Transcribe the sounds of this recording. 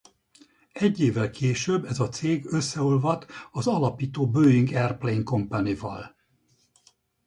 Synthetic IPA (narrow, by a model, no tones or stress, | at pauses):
ɛɟːeːvːɛlkʰeːʃøbːɛzɒt̪seːɡøsːɛolvɒt̪ɒzɒlɒpiːt̪oːbøːiŋɡɛrplejŋko̞mpanivɒ̰l